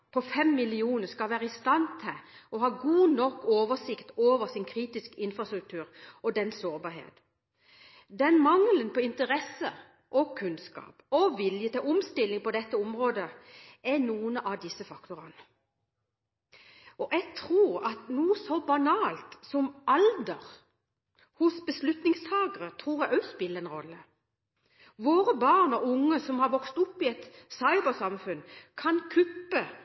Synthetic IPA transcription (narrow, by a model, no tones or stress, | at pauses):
pʰɔfɛmːɪlɪuːnəʁskɑʋæːʁəɪst̪ɑnt̪ʰɪʔɔɦɑːɡuːnɔkːoːʋəʁsɪkt̪oːʋəʁsɪnkʰʁiːt̪ɪskɪnfʁɑst̪ʁʉk̚t̪ʰʉːɾɔd̪ɛnsoːʁbɑːʁɦḛːt̪ | d̪ɛnmɑŋlənpʰɔɪnt̪əʁɛsə | ʔɔkʰʉnskɑ̰ːpɔʋɪljət̪ʰɪlɔmst̪ɪlːɪŋpɔd̪ɛt̪ːəɔmʁoːd̪əɛnuːənəʔɑʋd̪ɪsəfɑkt̪ʊʁɑnə | ɔʔɛɡ̚t̪ʰʁuːʁɑt̪nuːəsɔbɑnɑːlt̪sɔmʔɑld̪əʁ | hʊsbəslʉt̪nɪŋst̪ʰɑːɡəʁət̪ʰʁuːʁjæʔœspɪlːəɾɛnʁɔ̰lːə | ʋoːɾəbɑʁnɔʔʊŋːəsɔmhɑɾʋɔkst̪ʊpːɪɛt̪sɑɪbəʁsɑmfʉnkʰɑnkʰʉpːə